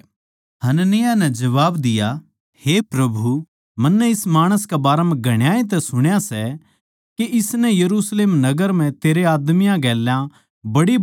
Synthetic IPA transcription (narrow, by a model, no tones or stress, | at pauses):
hɐnənɪjanɛ̃d͡ʒɐʋaːbd̪ɪja | heːpɾɐbʱu | mɐnːɛ̃ɪsmaːɽ̃əskabaːɾamɛ̃ɡʱɐɽ̃ɪjaːẽt̪̬ɛsʊɽ̃jasɛ | keʔɪsnɛ̃jɐɾuːsleːmnɐɡəɾm̤ɛ̃t̪eːɾeaːd̪mijãɡɛːljã | bɐɽi